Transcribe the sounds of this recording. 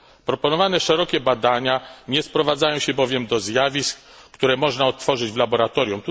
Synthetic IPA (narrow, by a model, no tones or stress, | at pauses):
pɾɔpɔnɔvanɛʂɛɾɔkʲɛbad̪aɲaɲɛspɾɔvad̪zajɔ̃w̃ɕɛbɔvʲjɛmd̪ɔzjavʲisk | kt̪uɾɛmɔʐnaɔt̪ːfɔʐɘd͡ʑvlabɔɾat̪ɔɾjumt̪u